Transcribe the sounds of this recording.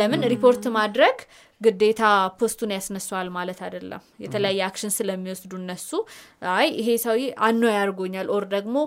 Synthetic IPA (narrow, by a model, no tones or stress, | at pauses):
ləmɨnɾipʰo̞ɾt̪mad̪ɾəɡ | ɡɨd̪ːe̞t̪ʰapʰo̞st̪ʰunjasnəswalmalət̪ad̪əlːə̰mjɛt̪ʰələjajːɛakʃɪnsɨləmːiwɔsd̪uɨnːəsːuajɪɦe̞səwiʔanːojaɾɡo̞ɲːalʔo̞ɾd̪əɡmo̞